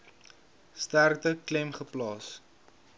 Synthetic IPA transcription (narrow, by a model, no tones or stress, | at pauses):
stærtəklɛmχəplɑːs